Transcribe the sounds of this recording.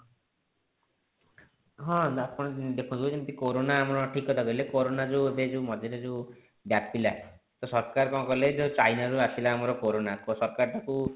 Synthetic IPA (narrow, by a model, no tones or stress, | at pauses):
ɦɔ̃at̪pɔɽ̃ɔd̪ekʰũt̪ʰbod͡ʒent̪ikoɾonaːmɔɾɔʈʰikɔt̪ʰaɡɔilekoɾonad͡ʒuebed͡ʒeumɔd͡ʒ̪ʱeɾed͡ʒeu | bjat̪bila | t̪ɔsɔɾkaɾpãkɔled͡ʒot͡ʃajnaɾuasilaːmɔɾɔkoɾonakosɔɾkaɾʈaku